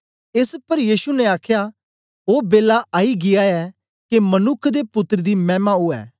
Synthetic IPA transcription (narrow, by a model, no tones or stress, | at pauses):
ɪspɐɾjiːsunɛ̃aːkʰja | oːbeːlaʔaːiɡɪjaɛ | kemɐnʊkʰd̪epʊt̪ːəɾd̪imɛːmauɛ̰ː